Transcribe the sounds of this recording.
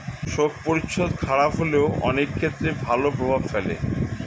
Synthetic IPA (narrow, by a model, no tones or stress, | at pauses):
ʃokpoɾiʃʰod̪kʰaɾapɦoleoɔ̰nekʰːet̪ːɾebʱalopɾobʱabfelḛ